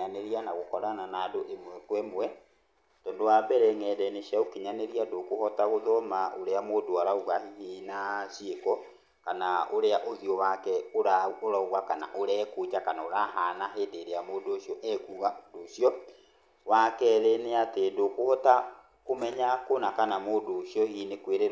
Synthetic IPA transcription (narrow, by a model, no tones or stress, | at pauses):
aneɾianaɣokɔɾananadoʔemwɛkwɛmwɛ | tɔːndowabɛɾɛŋɛdɛneʃaokeɲaneɾiandokohɔtaɣoðɔmaʔoɾeamoːndoaɾaoɣahihinaɕiekɔ | kanaoɾeaʔoðiɔwakɛoɾaoɾaoɣwakana̰ʔoɾɛːkod͡ʒakanaoɾaɦaːnaɦeːndeɾeamodoːʃjɔʔɛkuɣadoʃjɔ | wakɛɾeneatendokohɔta | komɛɲakonakanamoːndoʃjɔhiːnekweɾe